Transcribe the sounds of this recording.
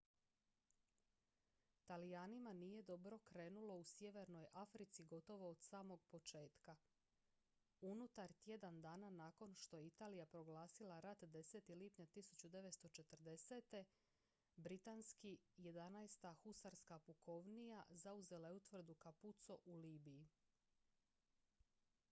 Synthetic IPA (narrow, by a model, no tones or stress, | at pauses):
t̪alijaːnimanije̞d̪o̞bɾo̞kɾe̞ːnulo̞usje̞ʋe̞ɾno̞jʔafɾit̪siɡo̞t̪o̞ʋo̞ːd̪̥saːmo̞ɡ̚po̞t͡ʃe̞ːt̪ka | unut̪aɾt̪je̞d̪and̪aːnanaːko̞nʃt̪ojeit̪aːlijapɾo̞ɡlˠaːsilaɾat̪d̪e̞seːt̪iliːpɲat̪isut͡ɕud̪e̞ʋet̪st̪o̞t͡ʃe̞t̪rd̪e̞se̞ːt̪e̞ | bɾit̪anskije̞d̪anajst̪axusaɾskapuko̞ʋnijazauze̞laeut̪ʋr̩d̪ukaput̪so̞ʔuliːbiji